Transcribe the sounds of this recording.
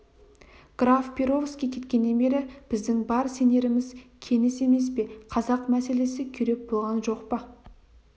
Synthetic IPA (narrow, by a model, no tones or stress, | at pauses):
ɡ̥rafpʰʲeɾo̞vskʲekʲʰe̞t̪kʲe̞nːe̞nbe̞ɾɪb̥ɪzd̪ɪŋbɑɾse̞ne̞ɾɪmɪzkʲʰe̞nɪse̞me̞s̬pe̞qʰɑzɑqmæse̞le̞sɪkʲʰʏɾe̞p̚bo̞lˠʁɑnʒo̞qpə